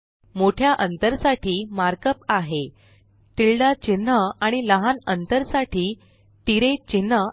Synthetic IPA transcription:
moʈʰjaʔənt̪əɾsaʈʰiːmaɾkəpaɦe | t̪iɭɖat͡ɕinːəaɽ̃iləɦanənt̪əɾsaʈʰiː | t̪iɾet͡ɕinːə

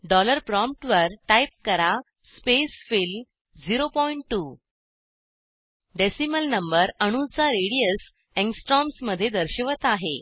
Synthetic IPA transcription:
ɖɔləɾpɾɔmp̚ʈʋəɾʈajp̚kəɾa | spesfil | d͡ziɾopɔiɳʈːu | ɖesiməlnəmbəɾəɽ̃ut͡saɾeɽijəs | ẽŋsʈɾɔmsməd̪ʱːjed̪əɾɕəʋət̪aɦe

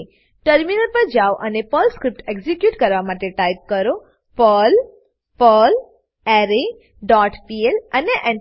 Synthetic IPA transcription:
ʈəɾminəɾpəɾd͡ʒawʔənepəlskɾip̚ʈeɡzikjuʈkəɾʋamaʈeʈajp̚kəɾo | pəl | pəl | ɛɾe | ɖɔʈpieləneʔɛ

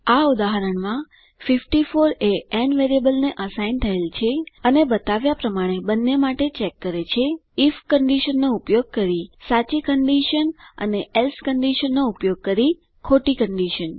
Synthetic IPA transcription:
aud̪aɦəɾəɳmã | fifʈifoɾeɛnʋeɾiəbəlneʔəsaijnt̪ʰəelt͡ʃʰeənebət̪aʋjapɾəmaɽ̃ebənːemaʈet͡ʃekːəɾet͡ʃʰeifkəɳɖiʃənːoupjoɡ̚kəɾisat͡ʃikəɳɖiʃənə̰neelskəɳɖiʃənːoupjoɡ̚kəɾi | kʰoʈikəɳɖiʃən

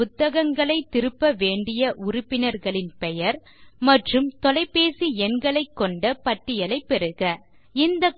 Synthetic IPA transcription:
ʊt̪ːɐɣɐŋɡɐɭɐɪt̪ːɪɾɯpːɐʋeːɳɖɪjɐʔʊɾʊpːɪnɐɾɣɐɭɪnpɛjɐɾ | mɐʈrɯmt̪ɔlɐɪpːeːsiɛnɡɐɭɐɪkːɔɳɖɐpɐʈːɪjɐlɐɪpːɛɾɯɣɐ | ɪnd̪ɐ

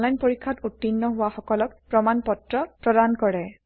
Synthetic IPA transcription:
nlajnpoɹikʰːatutːinːɔɦʊwaxɔkɔlɔk̚pɹɔmanpɔtɹɔpɹɔdankɔɹɛ

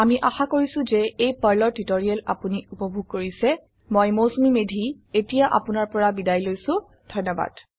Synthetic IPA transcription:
amiʔaxakoɹisʊ̃zɛejpaɹlɔɹtitoɹiala̰puniupɔbʱuɡ̚koɹisɛ | mojmosumimedʱi | etijaʔa̰pʊnaɹpɔɹabidajlojsʊ̃ | d̥ʱɔjnɔba̰d̥

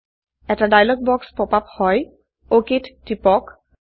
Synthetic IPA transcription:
ɛtadajlɔɡ̚bɔkspɔpaphɔj | oketːipɔk

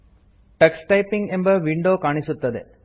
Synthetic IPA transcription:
ʈɐksʈɐɪpːɪŋɡembɐʋɪɳɖoːkaːɳɪsʊt̪ːɐðḛ

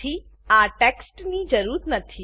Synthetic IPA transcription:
i | aːʈeksʈnid͡ʒɐɾuːɾət̪nɐt̪ʰi

